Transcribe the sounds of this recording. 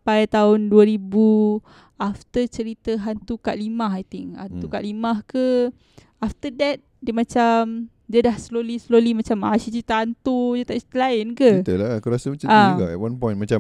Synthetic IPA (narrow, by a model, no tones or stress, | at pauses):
pajt̪aʊnduəɾibu | aft̪ət͡ʃəɾit̪əɦant̪ukaʔlimaɦajt̪ɪŋa̰nt̪ukaʔlimahkə | aft̪ədɛt̪̚dəmãt͡ʃam | diədahslolislolimat͡ʃamasit͡ʃɾit̪əant̪udət̪aʔt͡ʃi̥t̪əlaɪnkəit̪əlakoɾasəmat͡ʃãaɡa̰wãnpɔjnmat͡ʃa